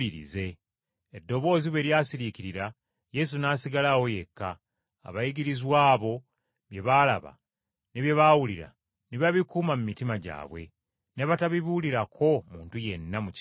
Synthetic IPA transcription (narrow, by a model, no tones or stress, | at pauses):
iɾḭze̞ː | dːo̞βo̞ːziβweɾjaːsiɾiciɾiɾa | je̞s̬unaːsiɡalawo̞je̞kːa̰ː | βajiɡiɾizwaːβo̞ | βje̞βalaβa̰ | neβje̞βawuliɾa̰ | niβaβikuːmamumitimaɟa̰ːβwe̞̰ | ne̞βataβiβuliɾakʰo̞muːntuje̞nːamuc